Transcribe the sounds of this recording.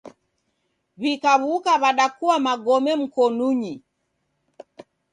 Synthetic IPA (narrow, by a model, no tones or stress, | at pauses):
βikaβukaβaɗakuwamaɡɔmɛm̩kɔnuɲi